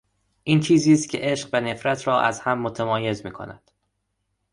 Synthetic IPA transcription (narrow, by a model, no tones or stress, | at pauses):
ʔiːnt͡ʃʰiːziːst̪̚cʰʲe̞̰ʔe̞ʃɢvæne̞fɾæt̪ʰɾɒːʔæ̰zhæmːot̪ʰæmɒːje̞zmiːkʰo̞̰næ̰d̪̥